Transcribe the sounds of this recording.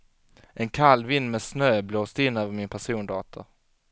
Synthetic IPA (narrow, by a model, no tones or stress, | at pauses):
ʔɛnkʰalːvɪnːmɛsnøːbloːst̪ɪnːøːvəɾmɪnpʰæʂuːnd̪ɑːt̪ʰʊ